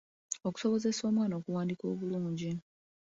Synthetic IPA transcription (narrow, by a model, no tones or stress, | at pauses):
o̞ku̥so̞βo̞ze̞so̞ːmwaːnoːkuwaːndiko̞ːβuluːɲɟi